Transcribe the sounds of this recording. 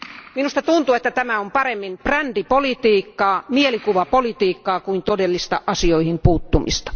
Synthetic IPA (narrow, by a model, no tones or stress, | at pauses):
minust̪ɑt̪unt̪uet̪ːæt̪æmæompɑremːinprændipolit̪iːkːɑːmielikuʋɑpolit̪iːkːɑːkuint̪odelːist̪ɑ̰ʔɑsioihimpuːt̪ːumḭst̪ɑ̥